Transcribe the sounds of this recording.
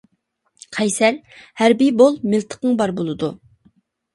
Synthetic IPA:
qʰɛjsɛɾhæɾbibolˠmɪlˠt̪ʰə̥qəŋbɑɾbolˠɨd̪u

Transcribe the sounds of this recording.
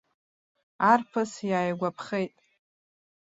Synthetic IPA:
arpʰɨsjaːjɡʷapʰχejtʼ

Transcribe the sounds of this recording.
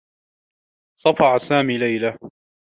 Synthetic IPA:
sˤɑfɑʕsaːmiːlajla

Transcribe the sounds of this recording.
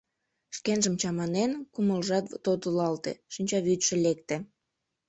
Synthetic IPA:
ʃkenʒəmt͡ɕɑmɑnenkuməlʒɑt̪t̪ot̪əlɑlt̪ḛʃinʲt͡ɕɑβyt̪ʃĕlek̚t̪ĕ

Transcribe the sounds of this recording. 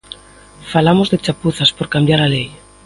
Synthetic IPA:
falamozðet͡ʃapuθaspoɾkambjaɾalej

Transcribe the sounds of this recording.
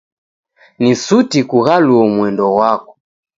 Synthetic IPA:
nisutikuɣaluɔmwɛndɔwakɔ̥

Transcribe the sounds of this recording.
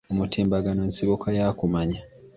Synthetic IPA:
omutiːmbaɡano̞nsiβokʰajaːkumaɲa

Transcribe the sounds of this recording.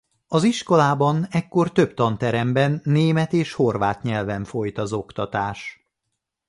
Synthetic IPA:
ɒziʃko̞laːbɒnɛkːo̞rt̪ø̞pt̪ɒnt̪ɛɾɛmbɛnːeːmɛt̪eːʃho̞rvaːt̪ɲɛlvɛɱfo̞jt̪ɒzo̞kt̪ɒt̪aːʃ

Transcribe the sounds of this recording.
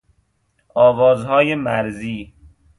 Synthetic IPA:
ɒːvɒːzhɒːjemæɾziː

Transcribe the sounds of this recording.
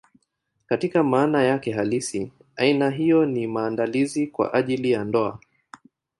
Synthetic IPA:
katikamaːnajakɛɦalisi | ainaɦijɔnimaːndalizikwa̰ʔaʄilijandɔa̰

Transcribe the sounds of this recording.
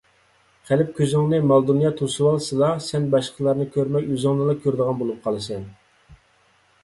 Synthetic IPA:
χælɪp̚kʲʰøzɪŋnɨmɑlˠd̪unjɑt̪ʰusɨwɑlˠsɨlɑsɛnbɑʃqʰəlˠɑɾnɨkʲʰøɾmɛjyzɨŋlˠɨlˠɑkʲʰøɾd̪əʁɑnbolˠup̚qʰɑlˠɨsɛn

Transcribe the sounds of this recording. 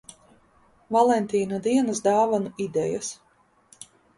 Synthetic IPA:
valˠɛnt̪ʲiːnad̪iɛnəsd̪aːvanuid̪ɛjas

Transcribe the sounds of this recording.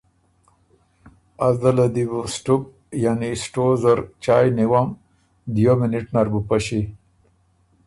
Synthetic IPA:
azd̪alad̪ibusʈuk̚ | janisʈozaɾt͡ʃaːjniwam | d̪jominiʈnaɾbupaɕi

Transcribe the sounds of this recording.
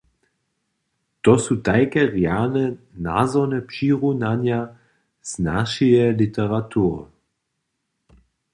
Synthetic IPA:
t̪ɔsutajkɛʁjanɛna̰zɔnɛpʃiʁunanja | z̥naʃijɛlitɛʁatʰuʁə

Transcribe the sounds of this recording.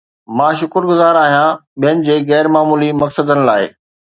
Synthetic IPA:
mãːʃʊkəɾɡʊzaːɾaːɦijãɓijənɪ̆d͡ʑeːɣɛːɾmaːmuːlimɐksəd̪ənɪ̆laːɪ

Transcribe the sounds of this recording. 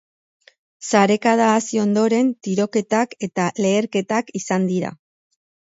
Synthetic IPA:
saɾe̞kað̞aːsio̞nd̪o̞ɾe̞nt̪iɾo̞ke̞t̪ake̞t̪ale̞ːɾke̞t̪akisand̪iɾa̰

